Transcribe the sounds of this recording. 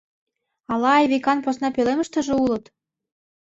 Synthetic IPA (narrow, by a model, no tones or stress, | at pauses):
ɑlɑːjβikɑnposnɑpelemə̆ʃt̪ə̆ʒĕulɤ̆t̪